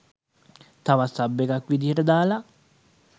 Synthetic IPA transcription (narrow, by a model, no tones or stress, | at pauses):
t̪aʋasabːekakːwid̪iɾɛd̪ala